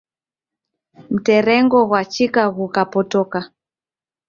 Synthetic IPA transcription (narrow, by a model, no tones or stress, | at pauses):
m̩tɛɾɛŋɡɔɣwat͡ʃikaɣukapɔtɔka